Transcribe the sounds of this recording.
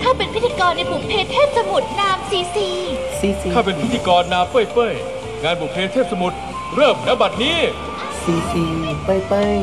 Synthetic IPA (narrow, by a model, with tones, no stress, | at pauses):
k̪ʰaː˥˩wpe˧npʰi˦˥t̪ʰiː˧kɔː˧nːa˧bʰu˨˩pʰeː˧t̪ʰeː˥˩p̪̚sa˧mu˨˩t̪̚naː˦˥msiː˨˦siː˧ | siː˨˦si˧kʰaː˥˩pe˧npʰi˦˥t̪ʰiː˧kɔː˧nːaː˦˥mpɤː˥˩jpɤː˥˩j | ŋaː˧nbu˨˩pʰeː˧t̪ʰeː˥˩p̚sa˧mu˨˩t̪̚ | ɾɤː˥˩m̚na˦˥ba˨˩t̪̚niː˦˥ | siː˨˦siː˧˩˨pa˧˩jpɤː˧˥˩j